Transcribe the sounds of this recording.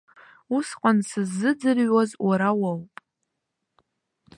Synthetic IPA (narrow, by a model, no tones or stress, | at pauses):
usqʷʼansɨzːɨd͡zɨrɥazwʔaɾawawpʼ